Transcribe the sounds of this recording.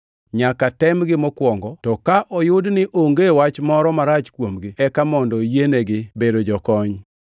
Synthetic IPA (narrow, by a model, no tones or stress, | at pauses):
ɲakatɛmɡɪmɔkwɔŋɡɔtɔkaʔɔjʊdnɪʔoŋɡewat͡ʃmɔɾɔmaɾat͡ʃkwomɡɪɛkamɔndɔjeneɡɪbedod͡ʒɔkɔɲ